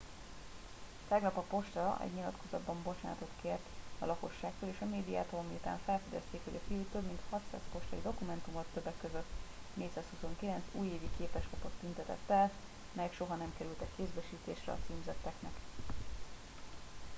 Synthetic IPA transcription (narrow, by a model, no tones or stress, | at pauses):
t̪ɛɡnɒpɒpo̞ʃt̪ɒʔɛ̰ɟɲilɒt̪kʰo̞zɒd̪bɒmbo̞t͡ʃaːnt̪o̞t̪keːrt̪ɒ̰lɒko̞ʃːaːkt̪oːleːʃɒmeːd̪ija̰ːt̪oɒmiut̪a̰ːɱfɛlfɛd̪ɛ̰st̪eːkhoɟɒfijuːt̪øbmint̪hɒt̪sa̰ːspo̞ʃt̪ɒjid̪o̞kumɛnt̪umot̪ːøbːɛkːøzøt̪ː | neːt̪saːshuso̞ŋkilɛnt̪suːjeːvikeːpɛʃkɒpot̪ːynt̪ɛt̪ɛ̰t̪ːɛl | mɛjɛkʃo̞ɦɒnɛmkɛɾylt̪ɛkːeːzbɛʃiːt̪ḛːʃrɛ̰ɒ̰t̪siːmzɛt̪ːɛknɛk